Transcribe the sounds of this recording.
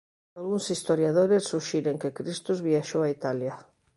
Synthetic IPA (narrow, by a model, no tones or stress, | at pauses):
alɣuŋsist̪oɾjaðoɾesːuʃiɾeŋkekɾist̪uzβiaʃowait̪alja